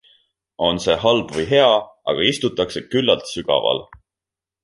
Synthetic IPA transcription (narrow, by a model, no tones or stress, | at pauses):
o̞nse̞ːɦɑlb̥vɤjɦe̞ɑ | ɑ̰ɡ̥ɑist̪ut̪ːˑɑkse̞kylːɑlt̪syɡ̥ɑ̰vɑ̰l